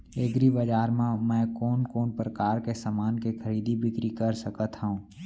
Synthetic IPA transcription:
eːɡɾibɐd͡ʒaːɾmãmɛ̃ːkoːnkoːnpɾəkaːɾkesaːmaːnkexʰəɾiːd̪ibʱɪkɾikəɾsəkət̪ɦɛũː

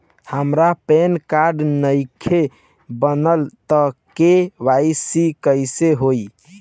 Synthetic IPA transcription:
həmɾapenkaɾɖnəjkʰe | bənəlt̪əkeʋajsikəjseɦoj

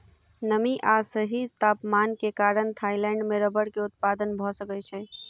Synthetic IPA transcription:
nəmiʔasəɦit̪aːpmankekaɾənt̪ʰailɛ̃ɳɖmeɾəbəɽkeʊt̪̚pad̪ənbʱɔsəkɛt͡ʃʰɛ

